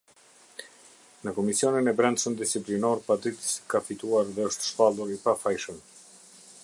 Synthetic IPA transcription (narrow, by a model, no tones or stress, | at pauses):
nəkɔmisiɔninɛbɾɛnsənd̪isiplinɔɾpad̪ɾit̪ə̥skafit̪uaɾðɛəʃt̪ə̥ʃpalˠuɾipafajʃəm